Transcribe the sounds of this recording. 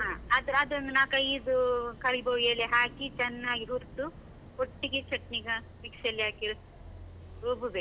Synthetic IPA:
ɦãːad̪ɐɾad̪ɐnd̪unaːkɐjd̪ukɐɾibɐʋjeːleɦaːkit͡ʃɛnːaːɡiɦuɾt̪u | koʈːiɡet͡ʃɐʈniɡɐ | ʋiksɐlːijaːkiɾ | ɾoːbuʋe

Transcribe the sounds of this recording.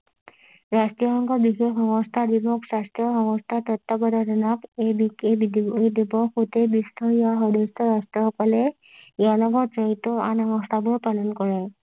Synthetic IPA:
ɾast̪ɾijɔɦɔŋkɔbixeɦɔŋɔst̪ʰad̪ibɔksast̪jɔɦɔŋɔst̪ʰat̪ɔt̪ːɔbɔd̪ʱɔɾɔnakebikebid̪iboid̪ibɔkut̪ebist̪ʰɔiaɦɔd̪est̪ʰɔɾast̪ɾɔɦkɔle | jalɔɡɔd͡ʒɔɦit̪oanɔŋɔst̪ʰabuɾpalɔnkɔɾe

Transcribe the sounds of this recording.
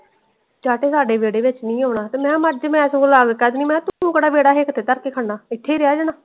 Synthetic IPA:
t͡ʃaːʈeːsaːɖeːʋeːɽeːʋɪt͡ʃnĩːɦoːnaːt̪eːmɛ̃ːməd͡ʒmɛ̃ːsõːkolaːɡkɛːd̪niːmɛ̃ːt̪ʊũːkəɽaːʋeːɽaːɦeːkt̪ʰːeːt̪əɾkeːkʰəɳɖaːɪt̪ʰːeːɾɪjaːd͡ʒənaː

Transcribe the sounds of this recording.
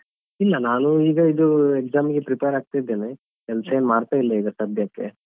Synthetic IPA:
ilːɐnaːnuiːɡɐid̪uekzaːmɡepɾipejɐɾaːɡ̚t̪aid̪ːe̞ːne | kɛlsɐenmaːɾt̪aːilːɐiːɡ̪ɐsɐd̪ʱjɐkːḛ

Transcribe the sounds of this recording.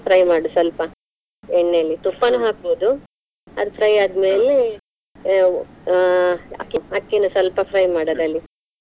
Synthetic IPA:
pʰɾɐjmaːɽusɐlpɐ | eɳːeːlit̪upːɐnuɦaːkoud̪u | ɐ̰d̪pʰɾɐjaːd̪me̞ːle | a̰kːiɦaːkːinusɐlpɐpʰɾɐjmaːɽɐd̪ɐlːi

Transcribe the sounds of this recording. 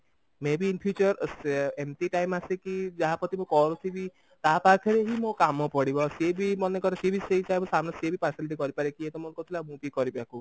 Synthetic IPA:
mebiːnpʰjut͡ʃɔɾsemtiʈajmasekid͡ʒaɦapɔt̪imũkɔɾut̪ʰibi | t̪apaɾkʰeɾeɦimõkamɔpɔɽibɔsebimɔnekɔt̪akibisejsajbɔsamnɔsebipaɾsiliʈ̬ikɔɾipaɾekiet̪ɔmonkot̪ʰilamũbikɔɾipaku

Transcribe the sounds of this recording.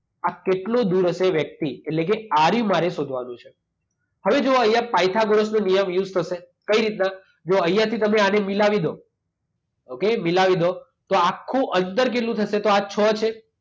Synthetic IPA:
akeʈlod̪uɾəʃeʋjək̚t̪ielekeaɾjũmaɾesod̪ʱʋanũt͡ʃʰe | həʋed͡ʒoəjːapajt̪ʰaɡoɾosnonijəmjuzt̪ʰəʃe | kəiɾit̪na | d͡ʒoəjːat̪ʰit̪əmeanemilaʋid̪ʱo | okemilaʋid̪ʱo | t̪oakʰːũʔənd̪əɾk̬eʈlũt̪ʰəʃet̪oat͡ʃʰɔt͡ʃʰe

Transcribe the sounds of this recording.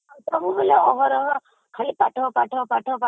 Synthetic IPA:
t̪ɔbubeleɔɦɔɾɔɦɔ | kʰalipaʈʰɔpaʈʰɔpaʈʰɔpa

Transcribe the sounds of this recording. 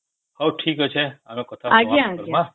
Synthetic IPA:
hawʈʰikət͡ʃʰeanõkət̪ʰaaɡjaaɡjmã

